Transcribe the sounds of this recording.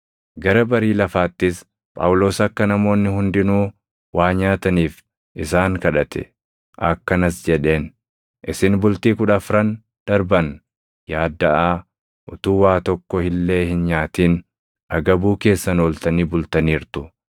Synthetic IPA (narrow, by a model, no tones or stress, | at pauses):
ɡɐɾɐbɐɾiːlɐfaːt̪ːɪs | pʼa̰ːwʊlo̞ːsɐkːɐnɐmo̞ːnːɪhʊnd̪ɪnuː | waːɲaːt̪ɐniːf | ʔɪsaːŋkɐᶑɐt̪ʰɛ̥̰ | ʔɐkːɐnɐsd͡ʒɛᶑe̞ːn | ʔɪsɪnbʊlt̪iːkʊᶑɐfɾɐn | d̪̥ɐɾbɐn | jaːd̪ːɐʔaː | ʔʊt̪uːwaːt̪ɔkːɔhɪlːe̞ːhɪnɲaːt̪iːn | ʔɐɡɐbuːke̞ːsːɐnoːlt̪ɐniːbʊlt̪ɐniːɾt̪ʊ